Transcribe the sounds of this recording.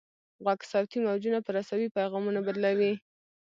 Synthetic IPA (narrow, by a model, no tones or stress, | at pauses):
ɣwaksawt̪imawd͡ʒunapəɾasawipajɣɑmunabad̪lawi